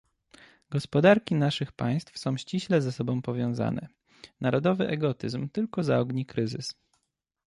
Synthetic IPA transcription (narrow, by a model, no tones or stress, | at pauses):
ɡɔspɔd̪aɾkʲinaʂɘxpa̰j̃st̪fsɔ̃w̃ɕt͡ɕiɕlɛzɛsɔbɔ̃w̃pɔvʲjɔ̃w̃za̰nɛ̰ | naɾɔd̪ɔvɘʔɛɡɔt̪ɘzmt̪ɘlkɔzaɔɡɲikɾɘzɘs